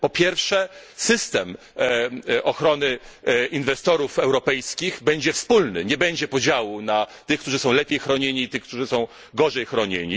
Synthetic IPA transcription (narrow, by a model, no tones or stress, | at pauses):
pɔpʲjɛɾfʂɛ | sɘst̪ɛm | ʔɔxɾɔnɘinvɛst̪ɔɾufɛwɾɔpɛjskʲiɣbɛɲd͡ʑɛfspulnɘɲɛbɛɲd͡ʑɛpɔd͡ʑawunat̪ɘxkt̪uʐɘsɔ̃w̃lɛpʲjejxɾɔɲeɲiːt̪ɘxk̚t̪uʐɘsɔ̃w̃ | ɡɔʐɛjxɾɔɲḛɲi